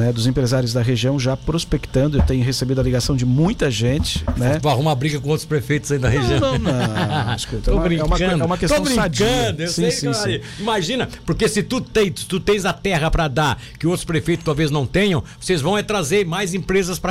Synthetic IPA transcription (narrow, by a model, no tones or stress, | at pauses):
nɛd̪ʊzẽpɾezaɾʲjʊzd̪ɐɦeʒiɐ̃w̃ʒapɾospekt̪ɐ̃nd̪ʊewt̪ẽɲʊɦesebid̪ʊɐliɡasɐ̃w̃d͡ʒɪmũj̃t̪ɐʒẽnt͡ʃɪ̥nɛaɦũmɐbɾiɡɐkõowt̪ɾʊspɾefejt̪ʊzaid̪ɐheʒiɐ̃wñɐ̃w̃nɐ̃ʃkut̪ɐ̃wbɾĩɛumɐkɐ̃d̪ɛʊumɐkest̪bɾĩsad͡ʒkɐ̃d̪ʊewsiẽsĩi | ĩmaʒĩnɐpoɾkesɪt̪ut̪ẽj̪ʊ̥t̪ut̪ẽj̃zɐt̪ɛɦɐpɾɐd̪aɾ | kɪowt̪ɾʊspɾefejt̪ʊ̥st̪awveznɐ̃w̃t̪ẽɲɐ̃w̃vosezvɐ̃w̃ɛt̪ɾazeɾmajzẽpɾezɐspɾɐ